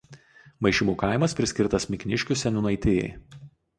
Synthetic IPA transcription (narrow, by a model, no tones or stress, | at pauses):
mɐɪʃʲɪmuːkɑˑɪmɐspʲɾʲɪsʲkʲɪɾt̪ɐsmʲɪkʲnʲɪʃʲkʲʊsʲɛnʲʊnɐɪt̪ʲeːjɛ̰ɪ